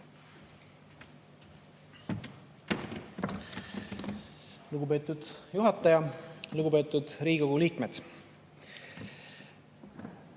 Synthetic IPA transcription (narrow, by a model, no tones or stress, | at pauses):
luɡ̥upe̞ːt̪ːud̪̥juɦɑt̪ːˑɑjɑluɡ̥upe̞ːt̪ːˑud̪̥ɾiːɡiko̞ɡ̥uliːkmed̪̥